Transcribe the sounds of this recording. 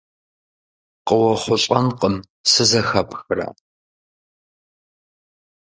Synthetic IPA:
qʼəwɐχʷʊɕʼɐnqʼəm | sɨzɐxɐpxɨra̰

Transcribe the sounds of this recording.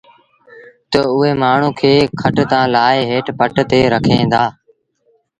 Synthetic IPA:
t̪əʊɦeːmaːɳ̤ũːkʰeːkʰəʈt̪ãːlaːeːɦeːʈpəʈt̪eːɾəkʰẽːnd̪aː

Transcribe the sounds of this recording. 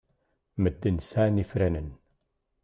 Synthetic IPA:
məd̪ːənsænifɾænən

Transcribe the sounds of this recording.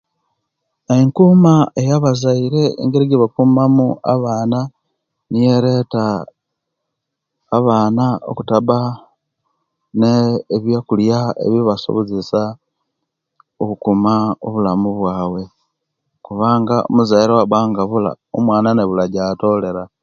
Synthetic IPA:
eŋkumaejaβazaiɾe̞ḛŋɡeɾiɡiβakumamua̰βaːna | nijeɾe̞ta | βaːnao̰kutaβa | neːβjakuljaḛβiβaso̰βozesa | okukumao̰βulamuβwaːwe̞ | kuβaːŋɡao̰muzaiɾewaβaːŋɡaβula̰ | o̰mwaːnaneβulaɟato̞le̞ɾa

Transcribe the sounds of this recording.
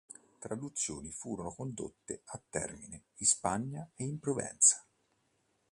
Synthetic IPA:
t̪ɾad̪ut̪sːjo̰ːnifuːɾonokond̪o̰t̪ːeat̪ːɛ̰rmineispaɲːaeimpɾovɛ̰nt̪sḁ

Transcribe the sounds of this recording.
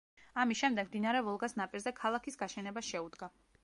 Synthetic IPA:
amisʃɛmd̪ɛɡmd̪inaɾɛvɔlˠɡasnapʼiɾzɛkʰalˠakʰisɡaʃɛnɛbasʃɛud̪ɡa

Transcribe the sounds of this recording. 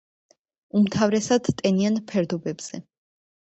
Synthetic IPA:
umt̪ʰavɾɛsad̪t̪ʼɛnianpʰɛɾd̪ɔbɛbz̥ɛ

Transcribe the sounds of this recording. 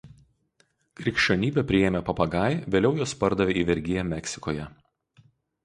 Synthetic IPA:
kɾʲɪkʃʲt͡ʃʲoːnʲiːbʲɛpʲɾʲɪjeːmʲɛpɐpɐɡɐˑɪʋʲeːlʲɛʊjoːspɐɾd̪ɐʋʲeːiːʋʲɛɾʲɡʲɪjɛmʲɛksʲɪ̥koːjɛ

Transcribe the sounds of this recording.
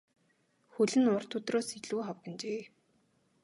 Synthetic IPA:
xɵɮɘ̆nʊr̥t̪ʰɵt̪roːsiɮuːχawɡə̆nt͡ɕeː

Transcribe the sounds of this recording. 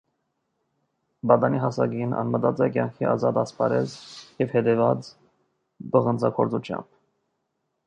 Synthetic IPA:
bɑd̪ɑniɦɑsɑɡinɑ̰nmət̪ɑt͡sɛkjɑŋkʰiʔɑzɑt̪ɑspɑɾɛt͡sjɛvhɛt̪ɛvɑt͡s | bəʁənd͡zɑkʰɔɾt͡sut͡ʃʰjɑ̰mb̥

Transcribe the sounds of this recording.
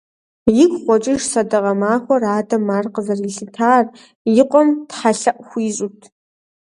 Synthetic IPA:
jɪkʷχʷɔt͡ʃʼɪʒsɐdɐʁɐmaːχʷɔraːdɐmːaːrqəzɐrɪɬɨtʰaːr | jɪqʷʼɔmtħaɬɐʔʷxʷiːɕʼutʰ

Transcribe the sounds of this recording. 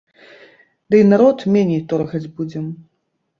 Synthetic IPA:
d̪ɨjnaɾɔt̪mʲenʲejt̪ɔɾɣɐd͡zʲbud͡zʲɛm

